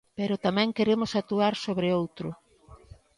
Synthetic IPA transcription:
peɾʊt̪amɛ̃ŋkeɾemʊsat̪uaɾsoβɾeowt̪ɾʊ

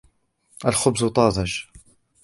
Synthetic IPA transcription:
ʔalxʊbzʊt̪ˤɑːðˤɑʃ

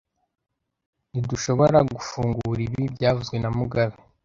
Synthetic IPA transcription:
niduʃo̞βo̞ɾaɡufuːŋɡuɾiβibɟaːvuzɡwe̞namuɡaβe

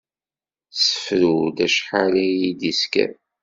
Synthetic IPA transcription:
sə̥fɾud̪æʃħalæjid̪iskæ̰

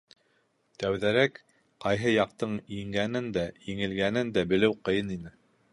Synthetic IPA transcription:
t̪æwðæɾæk | qɑjɦɤjɑq̚t̪ɤɴjiŋɡænɘnd̪æjɘ̆ŋɘ̆lɡænɘnd̪æbɘ̆lɘwqɤ̆jɤninɘ

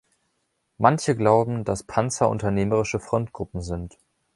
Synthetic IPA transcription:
mançəɡlaʊbm̩d̥aspʰant͡sɐʔʊ̰ntɐneːməʁ̞ɪʃəfʁ̥ɔntɡ̥ʁʊpm̩zɪnt

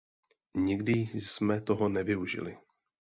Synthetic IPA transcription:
ɲɪɡdɪsmɛt̪o̞ɦo̞nɛvɪuʒɪ̰lɪ̰

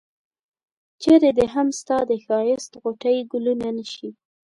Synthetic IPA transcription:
t͡ʃeɾed̪əɦamst̪ɑd̪əxɑjɪst̪ɣoʈajɡʊlunanəʃi

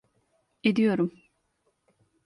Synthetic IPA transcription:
ed̪ijo̞ɾum

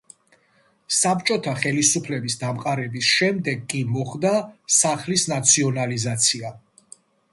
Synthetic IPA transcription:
sapt͡ʃʼɔt̪ʰaχɛlisupʰlɛbisd̪amqʼaɾɛbisʃɛmd̪ɛɡkʼimɔχd̪asaχlisnat̪sʰiɔnalizat̪sʰia

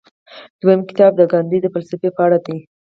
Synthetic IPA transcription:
d̪̥wajəmkɪ̥t̪ɑb̚d̪əɡɑnd̪id̪əfəlsɪfepəaɽad̪e

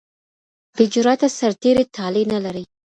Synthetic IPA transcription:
bɪd͡ʒɾɑt̪asaɾt̪eɾet̪ʰɑlenalaɾəj

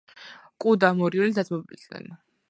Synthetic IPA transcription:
kʼud̪amɔɾiulid̪azmɔblid̪nɛ̰n

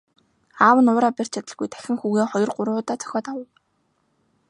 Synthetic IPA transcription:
aːwə̆nʊːɾaːpʲer̥t͡ɕʰat̪ə̆ɮɣujt̪ʰæ̥xʲɪ̆ŋxuːɣeːχɔjɞ̆rɢʊɾʊːt̪aːt͡sœ̥xʲɔːt̪awə̆w

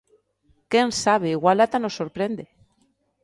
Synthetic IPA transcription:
kensaβ̞eiɣwalat̪anosːoɾpɾend̪e

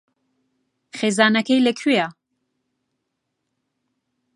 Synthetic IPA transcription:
χeːzaːnɐkɛjlɐkʰeja

